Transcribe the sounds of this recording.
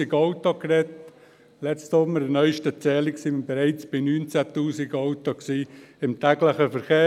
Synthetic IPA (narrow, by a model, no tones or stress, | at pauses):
iɡɑʊt̪okɾɛt̪ | lɛt͡st̪somːəɾənœʏʃtət͡sɛːliksiːəbɛɾɛɪt͡sb̥ɪnyːnt͡sæt̪uːsiɡɑʊt̪oksiːɪmt̪æɡləχəfəɾχeː